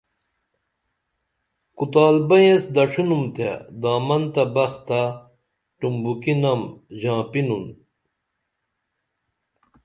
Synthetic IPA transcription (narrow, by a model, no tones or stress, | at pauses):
kut̪aːlbɐjesd̪ɐʂʰinumt̪ḛd̪aːmɐnt̪ɐbɐxt̪a | ʈumbukinɐmʑãːpinun